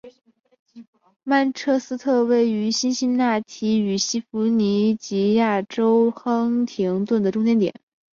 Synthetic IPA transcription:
ma˥˧nʈ͡ʂʰɤ˥˧sɹ̩˥t̪ʰɤ˥˧we˥˩ɪy˧˥ɕi˥nɕi˥nna˥˩t̪ʰi˧˥y˨˩ɕi˥fu˧˥ni˧˥t͡ɕi˧˥ja˥˩ʈ͡ʂo˥ʊxɤ˥ŋt̪ʰi˧˥ŋt̪wə˥˩nd̪ə˩ʈ͡ʂʊ˥ŋt̪jɛ˥nt̪jɛ̰˨˩˦n

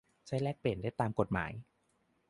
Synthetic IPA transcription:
t͡ɕʰa˦˥˩jlɛː˥˩k̚pe˨˩ndaː˥˩jt̪aː˧mko˨˩t̪̚ma̰ː˩˦j

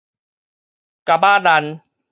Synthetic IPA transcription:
ka˨baː˥˨da˧n

